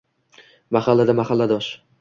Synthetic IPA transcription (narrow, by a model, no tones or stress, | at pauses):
maχalːad̪amaχalːad̪ɒʃ